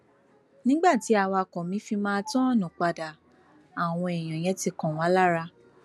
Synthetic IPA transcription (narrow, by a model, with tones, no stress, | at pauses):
nĩ˦ɡ͡ba˦˨ti˨˦a˧˨wa˧kɔ̃˨mĩ˨˦fi˧mãː˦˧tɔ̃˦˨nũ˨k͡pa˧da˨ | a˨w̃ɔ̃˧e˨j̃ɔ̃˨j̃ɛ̃˨˦ti˧kɔ̃˨wã˨˦la˦ɾa˧